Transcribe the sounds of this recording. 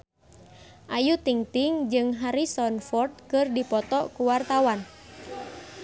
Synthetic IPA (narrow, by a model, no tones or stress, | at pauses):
ʔajut̪iŋt̪iŋd͡ʒɨŋɦaɾisɔnfɔrt̪̚kɨrdipɔt̪ɔkuwart̪awan